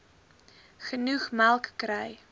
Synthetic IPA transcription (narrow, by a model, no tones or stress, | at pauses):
χənuχmælˠkːrəj